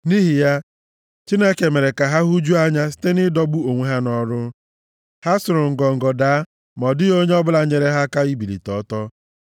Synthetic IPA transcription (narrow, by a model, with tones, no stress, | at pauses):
ni˦ɦi˨ja˦ | t͡ʃi˦ne˦ke˨me˨ɾe˨ka˨ɦa˦ɦu˦d͡ʒu˦a˦ɲa˦si̥˦te˦nɪ˦dɔ˦bu˦o˨ŋʷe˦ɦa˦nɔ˦ɾʊ˦ | ha˦sʊ˨ɾʊ˨ŋ̩˨ɡɔ˨ŋ̩˨ɡɔ˨daː˨˦ | mɔ˨dɪ˦ɣo˦ɲe˦ɔ˦bʊ˦la˨ɲe˨ɾe˦ɦa˦ka˦i˦bi˨lḭ˨tɔ˨˦tɔ˦